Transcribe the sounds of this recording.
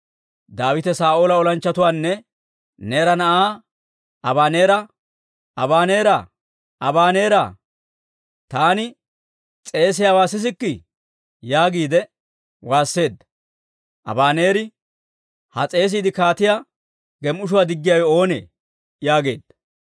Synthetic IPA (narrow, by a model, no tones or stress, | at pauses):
d̪aːwɪt̪ɛsaːʔoːlɐɔlɐnt͡ʃːɐt̪ʊwaːnːɛ | ne̞ːɾɐnɐʔaː | ɐbaːneːɾɐ | ɐbaːneːɾa | ɐbaːne̞ːɾa̰ː | t̪aːnɪ | t͡sʼe̞ːs̬ɪjawaːsɪs̬ɪkːɪ | jaːɡiːd̪ɛ | waːsːe̞ːd̪ɐ | ʔɐ̰baːne̞ːɾɪ | hɐ̰t͡sʼe̞ːs̬iːd̪ɪkaːt̪ɪjaː | ɡɛmʔʊʃ̬ʊwaːd̪ɪɡːɪjawɛo̞ːnḛː | jaːɡe̞̰ːd̪̥ɐ